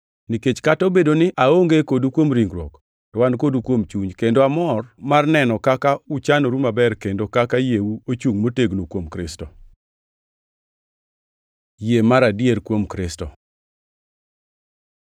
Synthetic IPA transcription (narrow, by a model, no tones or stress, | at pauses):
niket͡ʃkatobedonɪʔaoŋɡekodukwomɾiŋɡɾo̰k | tɔwankodukwomt͡ʃuɲkendoamɔrmarnɛnɔkakaut͡ʃanoɾumabɛrkendokakajewuot͡ʃuŋmoteɡnokwomkɾɪstɔ | jemaɾadjeɾkwomkɾɪstɔ